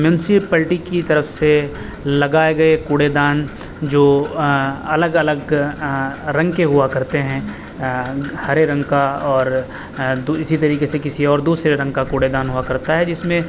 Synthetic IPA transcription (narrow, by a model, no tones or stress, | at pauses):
mjũːnsɪpɐlʈikit̪ɐɾəfse | lɐɡaːeɡɐekuːɽed̪aːn | d͡ʒoː | ɐləɡɐləɡ | ɾɐ̃ŋɡkeɦʊakɐɾt̪eɦɛ̃ | hɐɾeɾɐ̃ŋɡkaɔːɾ | d̪uɪsit̪ɐɾiːkesekɪsiɔːɾd̪uːsɾeɾɐ̃ŋɡkakuːɽed̪aːnɦʊakɐɾt̪aɦɛd͡ʒɪsmẽ